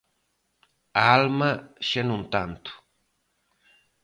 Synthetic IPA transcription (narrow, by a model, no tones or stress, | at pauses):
aalmaʃenũnt̪a̰nt̪u̥